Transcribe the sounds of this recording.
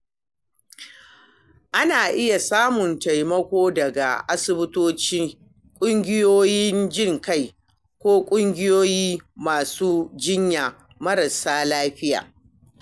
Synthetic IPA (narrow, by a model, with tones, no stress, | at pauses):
ʔa˦naː˨ʔɪ˦ja˨saː˦mʊ˨nta˨jmɐ˦kʷoː˦dɐ˨ɡa̰˨ʔa˦sɪ˨bɪ˦toː˦t͡ʃi˦ | kʷʼʊ˦ŋɡʲɪ˦joː˦jɪ˦nd͡ʒɪ˦˨ŋka˦˨j | kʷoː˦kʷʼʊ˦ŋɡʲɪ˦joː˦jiː˦maː˨suː˦d͡ʒɪ˦ɲja˨ | mɐ˦ɾɐ˨saː˦laː˦ɸɪ˦ja̰ː˨